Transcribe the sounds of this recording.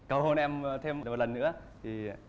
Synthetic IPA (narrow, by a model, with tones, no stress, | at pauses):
kə˨˩who˧˩nʔɛ˧mt̪ʰe˧m˨mo˨˩t̚lə˨˩nːɨ̰˧˥ə | t̪ʰi˨˩